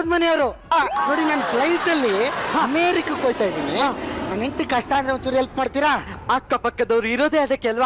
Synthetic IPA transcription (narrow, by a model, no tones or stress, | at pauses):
d̪mɐneɐʋɾu | ano̞ːɽinaːnpʰlɐjiʈ̪ɐlːihameːɾikɐkoːjt̪aːjd̪iːnianaːneɳʈikɐʂʈaːnd̪ɾemɐt͡ʃuːɾiɦelpmaːɖt̪iːɾaakːɐpɐkːɐd̪ɐʋɾuiɾoːd̪eɐd̪ekɛlʋaː